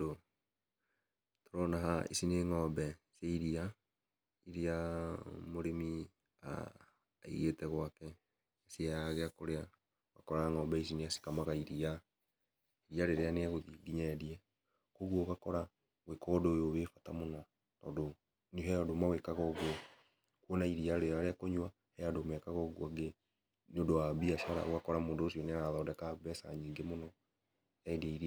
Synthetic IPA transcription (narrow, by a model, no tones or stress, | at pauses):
o | toɾɔnaɦaḭsineŋɔːmbɛseiɾia | iɾia | moɾemi | a̰ː | ḭɣetɛɣwakɛ | asiaɣeakoɾea | ɣa̰kɔɾaŋɔmbɛis̬ineasi̥kamaɣaiɾia | iɾiaɾeɾeaneaɣoðiɡiɲɛɾiɛ | koɣwɔɣakɔɾa | wekɔdoːjoβefatamonɔː | do | niɦɛɔdomawekaɣɔɣwɔ | kwɔnaiɾiaɾeaɾeakoɲwa | hɛadomɛkaɣɔɣwɔɡe | nodowaβiaʃaɾa̰oɣakɔɾamoːdoːsiɔneaɣaðɔːdɛkaβɛsa̰ɲiːŋɡemonɔ | ɛdiɾi